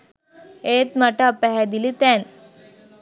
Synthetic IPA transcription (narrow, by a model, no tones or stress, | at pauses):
et̪maʈapaɦad̪ilit̪ɛn